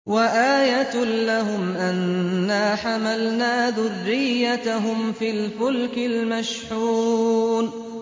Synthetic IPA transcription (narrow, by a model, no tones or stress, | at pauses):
waʔaːjat̪laɦʊmʔanːaːħamalnaːðʊrːɪjːat̪aɦʊmfiːlfʊlkɪlmaʃħuːn